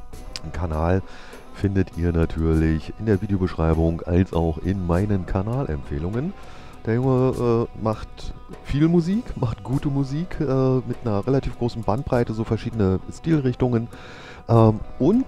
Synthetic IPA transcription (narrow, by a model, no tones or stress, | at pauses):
kʰanaːl | fɪndətʰiːɐnatʰyːɐlɪçɪndeːɐviːdejobəʃʁ̥aɪbʊŋʔa̰lsa̰ʊxɪnmaɪnənkʰaɐnaːlʔɛ̰mfḛːlʊŋən | d̥eːɐjʊŋəʔɛːmaχt | fiːlmuziːkmaχtɡ̥uːtəmuziːkʰʔɛːmɪtnɐɐʁelatʰiːfɡ̥ʁoːsn̩bant̚b̥ʁ̥aɪtəzoːfɛɐʃiːdənəstiːlʁɪçtʊŋən | ʔɛːmʔʊnt